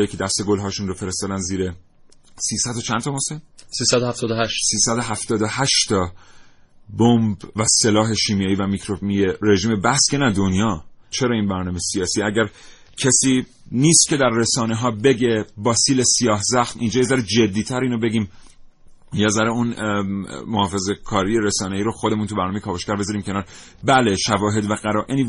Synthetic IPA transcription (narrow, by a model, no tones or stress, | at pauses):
jicʰe̞d̪æst̪e̞ɡo̞lɦɒːʃunrofe̞ɾest̪ɒːd̪ænziːɾe | siːsæd̪ot͡ʃʰænt̪ʰɒmosemsiːsæd̪ohæft̪ʰɒːd̪ohæʃsiːsæd̪oɦæft̪ɒːd̪ohæʃt̪ʰɒ | bombvæse̞lɒːɦe̞ʃiːmijɑːiːvæmikʰɾobmijeɾeʒiːme̞bæhskʰenæd̪onjɒːt͡ʃʰe̞ɾɒːiːnbæɾnɒːmesijɒːsiːæɟæɾ | cʰesiː | niːst̪cʰe̞d̪æɾːesɒːneɦɒːbe̞ɟebɒːsiːlesijɒːhzæxt̪iːnd͡ʒɒːjezæɾed͡ʒe̞d̪ːiːt̪ʰæɾiːnobe̞ɟiːm | jezæɾeun | mohɒːfe̞zekʰɒːɾijeɾesɒːneiːɾoxod̪e̞munt̪ʰubæɾnɔmejkʰɒːboʃkæɾbe̞zɒɾiːmcʰe̞nɒːɾ | bæleʃævɒːɦe̞d̪væɣæɾɒːʔe̞niː